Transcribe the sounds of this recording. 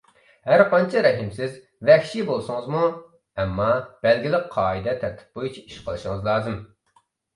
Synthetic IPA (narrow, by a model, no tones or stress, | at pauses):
hæɾqʰɑnt͡ʃʰiɾɛɦɪmsɪz | vɛxʃibolˠsʊŋɨzmu | ɛmːɑb̥ɛlɡʲilɪqqʰɑːid̪ɛt̪ʰɛɾt̪ʰɪ̥p̚bojut͡ʃʰiiʃqʰəlˠɨʃiŋɨzlˠɑːzɨm